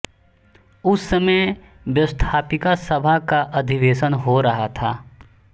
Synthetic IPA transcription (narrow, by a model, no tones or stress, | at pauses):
ʊsːəme | ʋjɐst̪ʰaːpɪkasɐbʱakaʔɐd̪ʱɪʋeːʃənɦoɾɐɦat̪ʰaː